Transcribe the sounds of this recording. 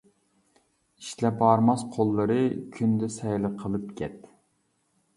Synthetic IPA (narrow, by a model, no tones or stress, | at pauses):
iʃlɛbɑɾmɑsqʰolˠːəɾɨkʲʰynd̪ɛsɛjlˠəqʰəlˠɨpkʲʰɛt̪